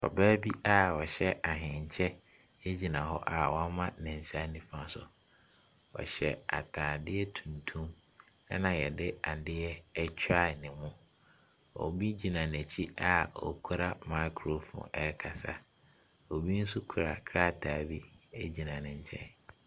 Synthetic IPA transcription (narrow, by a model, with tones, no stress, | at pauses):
ɔ̰˨bæː˦bi˦a˦wɔ˨ɕɛ˦ʔa˨ɦɪ̃˨ɲ˨t͡ɕʰɛ˦ | e˦d͡ʑi˨nã˨ɦɔ˦ʔa˨wɔ̃˦mã˦nɪ̃˨ɲ̩˨sa˦nĩ˦fã˨sʊ̰˨ | wɔ̰˨ɕɛ˨a̰˨tʰaː˨dɪ˦ɛ˦tʰũ˨ntʰũ˦m | ɛ˦nã˨jɛ˨dɪ˦a˨dɪ˦ɛ˦ɛ˦t͡ɕʰᶣa˦˨nɪ̃˨mʊ̃˦ | ɔ̰˨bi˦d͡ʑi˨nã˨n˨æ˨t͡ɕʰi˦a˨ɔ̰˨kʰu˦ɾa˦ma˦kʰɾo˨fɔ̰̃˨ɛ˦kʰa˨sa̰˦ | o˨bi˦n̩˦su˦kʰu˨ɾa̰˨kʰɾa˦˨tʰaː˨bi˦æ˦d͡ʑi˨nã˨nɪ̃˨ɲ˨t͡ɕʰɛ̰̃˦n